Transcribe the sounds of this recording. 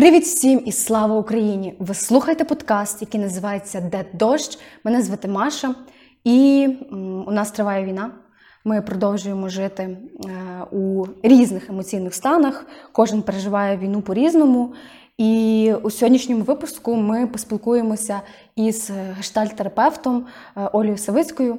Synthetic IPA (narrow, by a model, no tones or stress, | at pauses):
pɾɪʋʲid̪wsʲimisslˠɑʋɐukɾɐjinʲiʋɪslˠuxɐjt̪ɛpɔd̪kɑst̪jɐkijnɐzɪʋɑjet͡sʲːɐd̪ɛd̪ɔʃt͡ʃmɛnɛzʋet̪emɑʃɐ | i | unɑst̪ɾɪʋɑjɛʋʲijnɑ | mɪpɾɔd̪ɔwʒʊjemɔʒɪt̪ɪ | uɾʲiznɪxemɔt͡sʲijnɪxst̪ɑnɐxkɔʒɪnpeɾeʒɪʋɑjɛʋʲijnupɔɾʲiznɔmʊ | iusʲɔɦɔdʲnʲiʃnʲɔmʊʋɪpʊskʊmɪpɔsʲpʲilˠkujemɔsʲɐ | iz̥ɦɐʃt̪ɑlʲt̪eɾɐpɛwt̪ɔm | ʔɔlʲijʊsɐʋɪt͡sʲkɔjʊ